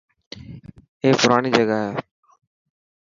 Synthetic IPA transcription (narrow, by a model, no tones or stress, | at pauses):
eːpʊɾaːniːd͡ʒəɡaːɦeː